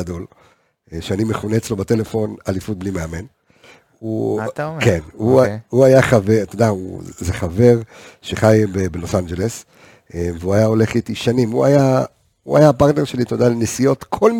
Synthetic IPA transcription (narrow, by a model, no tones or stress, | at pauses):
do̞l | ʃeanimeχuneːt͡slo̞bat̪e̞le̞fo̞nalifut̪̚blimeame̞n | ut̪kenuuajaχavet̪odaṵzeχave̞ʁʃeχajbebelo̞sand͡ʒe̞le̞s | eveuajao̞le̞χit̪iʃanimuaja | ua̰japaʁt̪ne̞ʁʃe̞lit̪odalenesijo̞t̪kʰo̞lm